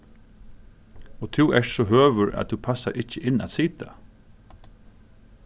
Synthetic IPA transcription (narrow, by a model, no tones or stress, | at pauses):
ɔt̪ʰɪwɛʂsɔɦøːʋʏɾa̰ðt̪upʰasaɾʔɪt͡ʃːəʔɪnːa̰t̪siːt̪ʰa